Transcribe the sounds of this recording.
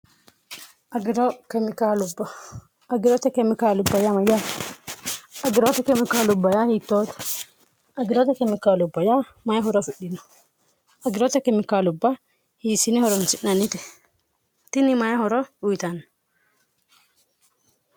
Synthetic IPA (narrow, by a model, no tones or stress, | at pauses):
ɐɡɾokɛmɪkalʊbɐ | ɐɡɪɾot̪ɐkɛmɪkaːlʊbːɐjamɐja | ʔɐɡɪɾot̪ɐkɛmɪkalʊbːɐjahiːt̪ːoːt̪ɐ̥ | ʔɐɡɪɾot̪ɐkɛmɪkalʊbːɐja | mɐjahɔɾɔfɪɗɪnʊ̥ | ɐɡɪɾot̪ɐkɛmɪkalʊbːɐ | hisɪnɛhɔɾɔnsɪnːɐnɪt̪ɛ | t̪ɪnɪmɐjahɔɾɔʊɪt̪an